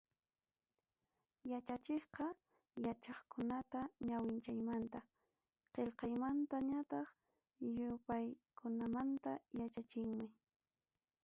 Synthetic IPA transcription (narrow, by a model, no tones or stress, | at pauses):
jat͡ʃat͡ʃeχqɑ | jat͡ʃɑχkʊnat̪aɲawɪnt͡ʃajmant̪a | qelqɑjmant̪aɲat̪ɑχ | jʊpajkʊnamant̪a̰jat͡ʃat͡ʃɪŋmɪ